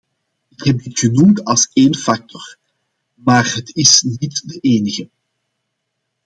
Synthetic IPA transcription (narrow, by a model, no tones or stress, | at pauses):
ɪkɦɛp̚dɪtxənumtɑlˠseːnfɑk̚tʰɔr | maːrɦətɪsnitdəʔeːnəɣə